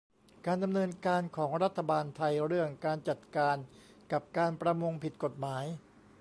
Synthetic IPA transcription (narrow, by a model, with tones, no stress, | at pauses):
kaː˧nda˧mnɤː˧nkaː˧nkʰɔː˩˦ŋɾa˦˥t̪ʰːa˧baː˧nt̪ʰa˧jɾɯ˥˩əŋkaː˧nt͡ɕa˨˩t̪̚kaː˧n | ka˨˩p̚kaː˧npɾa˧mo˧ŋpʰi˨˩t̪̚ko˨˩t̪̚maː˩˦j